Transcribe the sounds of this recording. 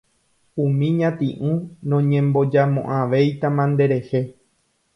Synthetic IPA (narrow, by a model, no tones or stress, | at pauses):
ũmĩɲãt̪ḭ̃ʔũnõɲẽmbo̞d͡ʒamõ̰ʔãʋe̞jt̪amãnd̪e̞ɾe̞he̞